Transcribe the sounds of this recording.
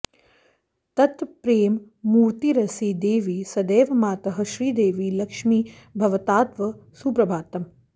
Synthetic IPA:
t̪ɐt̪pɾeːmː | uːɾt̪iɾɐsid̪eːʋisɐd̪eːʋɐmaːt̪ɐɦɐʃɾiːd̪eːʋiːlɐkʃmiːbʱɐʋɐt̪aːt̪ʋɐsupɾɐbʱaːt̪ɐm

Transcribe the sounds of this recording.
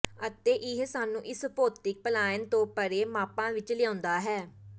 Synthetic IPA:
ət̪eːʔɪɦsaːnũːʔɪspoːt̪ɪk̚pəlaːɪnt̪õːpəɾeːmaːpãːʋɪt͡ʃlɪjãːnd̪aːɦɛː

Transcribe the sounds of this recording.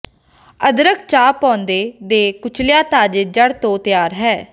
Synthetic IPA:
əd̪ɾək̚ʰt͡ʃaːpɔ̃ːnd̪eːd̪eːkʊt͡ʃʰlɪjaːt̪aːd͡ʒed͡ʒəɽt̪õːt̪ɪjaːɾɦɛː

